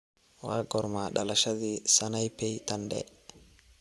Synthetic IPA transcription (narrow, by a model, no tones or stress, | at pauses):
waːɡɔɾmaɗɐlɐʃɐd̪ɪsɐnɐjpːɛjt̪ɐnd̪ɛ̰